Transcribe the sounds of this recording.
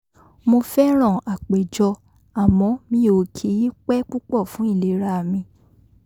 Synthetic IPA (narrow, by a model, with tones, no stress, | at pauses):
mo˧fɛ˦ɾ̃ɔ̃˦˨a˨k͡pe˨d͡ʒɔ˧ | a˨mɔ̃˨˧˦mĩ˦o˨˧˨kʰi˨˦ji˦k͡pɛ˦k͡pu˦k͡pɔ˦˨fũ˨˦i˦˨le˨˦ɾa˧˨mĩ˧